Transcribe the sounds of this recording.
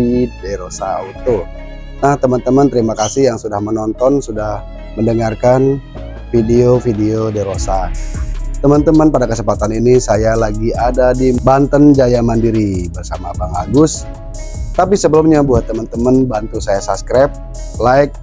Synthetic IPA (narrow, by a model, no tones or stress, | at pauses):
idaɾosaa̰ut̪u | naht̪əmənt̪əmənt̪əɾimakasɪhjaŋsudahmənɔnt̪ɔnsudah | məndəŋarkan | fideofideodɛɾosa | t̪əmənt̪əmənpadakəsəpat̪aninisajalaɡiadadibant̪ənd͡ʒajamandiɾibərsamabaŋa̰ɡʊs | t̪apisəbəlumɲabuɦat̪ːəmənt̪əmənbant̪usajasaskɾap̚ | laɪk̚